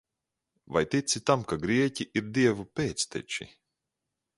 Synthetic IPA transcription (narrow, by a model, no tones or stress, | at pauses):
va̰jt̪it̪sʲit̪amkaɡɾiɛcʲiʔiɾd̪iɛvupʲeːt̪st̪ɛ̰t͡ʃḭ